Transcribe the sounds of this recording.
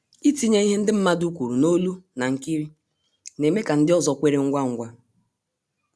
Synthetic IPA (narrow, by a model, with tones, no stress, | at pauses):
i˦ti˦ɲe˦i˦ɦe˦n̩˦dɪ˦m̩˦ma˦du˦kʷu˨ɾu˨no˦lu˦na˨ŋ̩˦ki˦ɾi˦ | ne˨me˦ka˨n̩˦dɪ˦ɔ˦zɔ˨kʷe˦ɾe˦ŋ̩˦ɡʷa˦ŋ̩˦ɡʷa˦